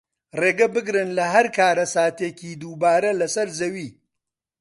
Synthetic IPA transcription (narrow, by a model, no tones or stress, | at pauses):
reːɡɐbɨɡɾɨnlɐɦɐɾkʰaːɾɐsaːt̪eciːd̪uːbaːɾɐlɐsɐɾzɐwiː